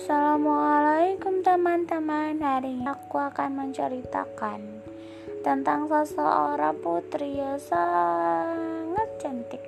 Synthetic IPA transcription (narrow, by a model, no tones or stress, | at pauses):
salamɔalaikʊmt̪əmant̪əmanɦaɾiɲakuakanməɲt͡ʃəɾit̪a̰kan | t̪ənt̪aŋsəsəʔoɾɔput̪ɾijɔsa | ŋət̪̚t͡ʃənt̪ɪk̚